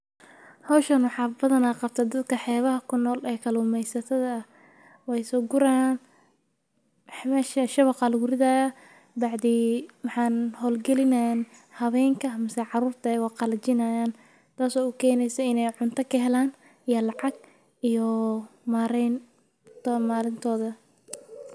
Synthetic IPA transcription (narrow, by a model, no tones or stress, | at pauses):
hɐwʃɐnwɑħɑːbɐðɐnaːqɑb̚t̪ʰɐd̪ɐd̪kʰɐħɛːβɐɦɐkʰʊnːɔːlɛːkʰɐlʊmɛjsɐt̪ʰɐðɐːh | wɛjsɔːɡʊɾan | mɛːʃɐʃɐβɑqɑlɡʊɾɪðɐjɐ | bɑʕd̪iːwɑħɑːnhɔːlɡɛlɪnɐjn | hɐβɛːŋkʰɐmɪsɛjʕɑruːrt̪ʰɐɛjwɑqɑlɐt͡ʃɪnɐjaːn | t̪ʰaːsɔːʊkʰɛːnɛjsɛɪnɛjʕʊnt̪ʰɐkʰɐɦɛlaːn | ijɐlɑʕɑɡ̚ | ijɔmaːɾɛn | t̪ːmaːlɪnt̪ʰɔːðɐ